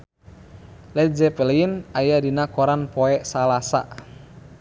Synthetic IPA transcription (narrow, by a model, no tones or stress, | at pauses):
lɛd͡ʒɛpɛlɛinajadinakɔɾanpɔɛʔsalasa̰ʔ